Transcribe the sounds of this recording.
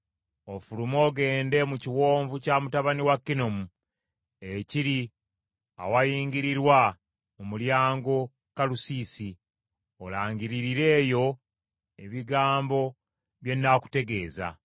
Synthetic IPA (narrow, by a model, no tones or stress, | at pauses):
o̞fulumo̞ːɡe̞ːnde̞muciwo̞ːɱvucamutaβaniwakːinomu | eciɾi | a̰wajiːŋɡiɾiɾwa | mumuljaːŋɡo̞ | kalusisi | olaːɲɡiɾiɾiɾe̞ːjo̞ | eβiɡaːmbo̞ | βje̞nːaku̥te̞ɡe̞ːza̰